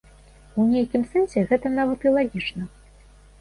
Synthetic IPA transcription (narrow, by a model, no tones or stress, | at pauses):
unʲejkʲimsɛnsʲɛɣɛt̪ɐnavɐt̪ilˠaɣʲit͡ʂnɐ